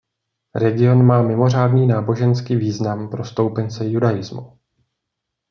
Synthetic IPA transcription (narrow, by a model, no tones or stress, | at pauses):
ɾɛɡɪo̞nmaːmɪmo̞r̝aːdniːnaːbo̞ʒɛnskiːviːznampɾo̞st̪o̞wpɛnt͡sɛjudajɪzmṵ